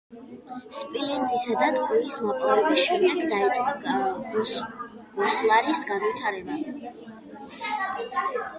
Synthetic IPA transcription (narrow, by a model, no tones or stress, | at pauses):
spʼilɛnd̪isad̪at̪ʼqʼɛismaqʼlavɛbasʃɛmd̪ɛɡd̪ait̪sʼqʼa | buslˠaɾisɡanvit̪ʰaɾɛba